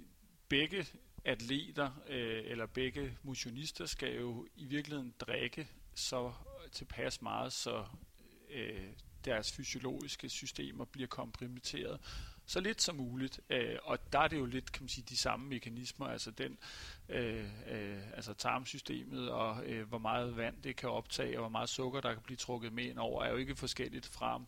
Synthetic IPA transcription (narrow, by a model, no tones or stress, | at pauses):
b̥eɡ̥ə | æd̥le̝̰ːd̥ɐelɐb̥eɡ̥əmo̝ɕo̝nisd̥ɐsɡ̥æjo̝iʋiɐɡ̥lihe̝̰n̩d̥ʁaɡ̥əsɒ̽t͡sʰe̝lpʰæsmɑ̈ːð̞̩ˠsɒ̽ | d̥æɐsfyso̝lo̝̰ːisɡ̥əsysd̥e̝̰ːmɐb̥liɐkʰɒ̽mpʰʁomet͡sʰe̝̰ːɐð̞ˠsɒ̽le̝d̥sɒ̽muːlid̥øɒ̽d̥ɑ̈æɐɾ̥e̝jo̝le̝d̥kʰæmænsiːd̥isɑ̈məme̝kʰænismɐælsɐd̥enø | ælsət͡sʰɑ̈ːmsysd̥e̝̰ːmð̞̩ˠɒ̽ʋɒmɑ̈ːð̞̩ˠʋæn̰d̥e̝kʰæɒ̽b̥̚t͡sʰɛ̰ːɒʋɒmɑ̈ːð̞̩ˠsɔ̽ɡ̥ɐd̥ɑ̈kʰæb̥liːt͡sʰʁɔ̽ɡ̥ð̞̩ˠmeenɒʊ̰ɐæɐjo̝e̝ɡ̥əfɒ̽sɡ̥el̰id̥fʁɑ̈m